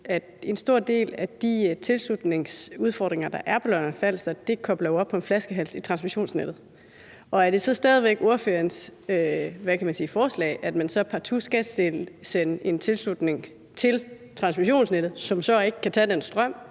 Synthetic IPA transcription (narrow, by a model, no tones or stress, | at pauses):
æd̥e̝nsd̥o̝ɐ̰d̥e̝̰ːlæd̥it͡sʰe̝lslud̥ne̝ŋsuð̞ˠfɒ̰ːd̥ʁeŋɐd̥ɑ̈ʔæɐpʰɒ̽lɒnɐnfæl̰sd̥ɐd̥e̝kʰɒ̽b̥lɐjoɒ̽b̥̚pʰɒ̽e̝nflæsɡ̥əɦæl̰sit͡sʰʁɑ̈nsmiɕo̝̰ːnsned̥ð̞̩ˠ | ʔɒ̽æɐd̥e̝sɒ̽sd̥ɛːð̞ˠiʋeɡ̥oɐføɐnsøʋækʰæmænsiːfɒːslɛ̰ːʔæd̥mænsɒ̽pʰɑ̈t͡sʰusɡ̥ɛd̥sd̥e̝lsene̝nt͡sʰe̝lslud̥ne̝ŋ | t͡sʰe̝l | t͡sʰʁɑ̈nsmiɕo̝̰ːnsned̥ð̩ˠsɒ̽msɒ̽e̝ɡ̥əkʰːæt͡sʰɛ̰ːd̥ensd̥ʁɶm̰